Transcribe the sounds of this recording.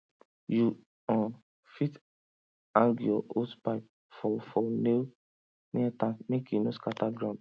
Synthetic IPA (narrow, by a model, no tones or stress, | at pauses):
ju | ã | fit | ãŋɡjɔʔotpaɪp̚ | fɔfɔne | niatãmekjunoskataɡɹãʊ̃nd